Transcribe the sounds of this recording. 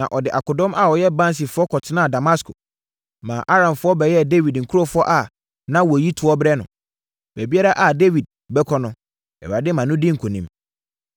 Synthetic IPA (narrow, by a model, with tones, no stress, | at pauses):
nã˨ʔɔ˨dɪ˨ʔa˨kʊ˨dɔ̃˦mʔa˨ɔ˨jɛ˦bã˦n˦s̬i˨fʊ˦ɔ˦kʰɔ˨tʰɪ˦nã˦˨da˨ma˦skʰo˨ | mã̰˨ʔa˦ɾã˨mfʊ˦ɔ˦bɛ˨jɛ˦de˦wi˨dŋ̩˨kʰu˦ɾo˦˨fʊ˦ɔ˦ʔa˨ | nã˦wɔ˨ji˦tʰʊ˨ɔ˦bɾɛ˦nʊ̰̃˨ | b̥æ˨bi˦a˦ɾa˦ʔa˨de˦wi˨d̚ | bɛ˦kʰɔ˦nʊ̃˦ | ɛ̰˨wa˨dɪ˦mã˨nʊ̃˦dɪ˦ŋ̩˨kʰo˨nĩ˦m